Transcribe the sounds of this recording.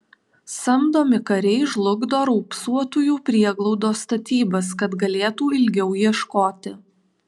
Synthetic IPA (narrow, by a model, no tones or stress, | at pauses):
sɐmd̪oːmʲɪkɐɾʲɛɪʒlˠʊɡd̪oːɾɔʊpsuɔt̪uːjuːpʲɾʲiɛɡlˠɒʊd̪oːst̪ɐt̪ʲiːbɐskɐt̪ɡɐlʲeːt̪uːɪlʲɡʲɛʊjiɛʃkoːt̪ʲɪ